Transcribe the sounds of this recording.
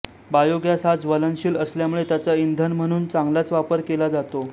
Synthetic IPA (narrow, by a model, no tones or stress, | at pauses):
bajoɡjasɦad͡zʋələnɕiːləsljamuɭet̪jat͡saind̪ʱənm̤əɽ̃uːnt͡saŋɡlat͡sʋapəɾkelad͡zat̪o